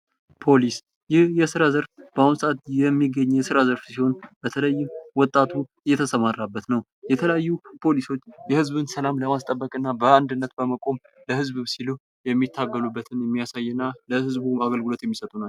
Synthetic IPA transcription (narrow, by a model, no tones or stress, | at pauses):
pʰo̞lis | jɪhjɛsɨɾazəɾfb̥əumsaʔat̪jɛmːiɡːəɲːjɛsɨɾazəɾfsiho̞nb̥ət̪ʰələjːɪmwɔt̪ʼːat̪ʰuɨjːɛt̪ʰəsəmarːabːət̪nəw | jɛt̪ʰələjajːupʰo̞liso̞t͡ʃːjɛhɨzbɨnsəlamləmast̪ʼəbːəkʼɨnːabəand̪ɨnːət̪bəməkʼo̞m | ləhɨzbɨmsilu | jɛmːit̪ʰːaɡːəlubːət̪ʰɨnjɛmːijasajːɨnːaləhɨzbuaɡəlɡɨlo̞t̪jɛmːisət̪ʼunal